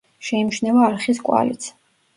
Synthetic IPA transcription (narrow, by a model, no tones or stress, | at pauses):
ʃɛimʃnɛvaːɾχis̬kʼwa̰lḭt̪sʰ